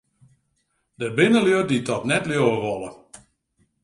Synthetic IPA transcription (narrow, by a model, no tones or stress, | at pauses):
dəbɪnəløditʰɔtnɛtljoəʋɔlˠə